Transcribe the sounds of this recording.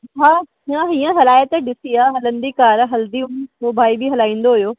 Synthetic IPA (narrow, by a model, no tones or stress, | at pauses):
ɦaː | ãɦiːə̃ɦɐlaːjət̪ɗɪsiaːɦɐlə̃nd̪ikaːɾɦɐld̪iʊmɦobʱaːibʱiɦɐlaːĩːn̆d̪oɦʊijoː